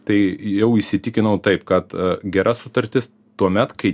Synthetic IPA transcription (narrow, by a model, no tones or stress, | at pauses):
t̪ɐɪjɛʊɪʃʲsʲɪt̪ʲɪkʲɪnɐʊt̪ɐɪpkɐt̪ɡʲɛɾɐsʊt̪ɐɾʲt̪ʲɪs | t̪uɔmʲɛt̪kɐɪ